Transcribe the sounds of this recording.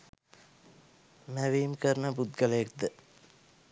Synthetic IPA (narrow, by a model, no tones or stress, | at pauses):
mæʋiːmkəɾnəbud̪̚ɡələjek̚d̪ə